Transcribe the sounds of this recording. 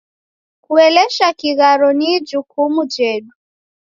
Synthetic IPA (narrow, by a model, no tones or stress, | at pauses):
kuɛlɛʃakiɣaɾɔnid͡ʒukumud͡ʒɛɗu